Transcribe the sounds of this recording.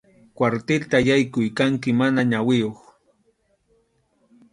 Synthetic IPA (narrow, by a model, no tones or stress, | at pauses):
kwaɾt̪ɪlt̪ajajkʊjkaŋkɪmanaɲawɪjoχ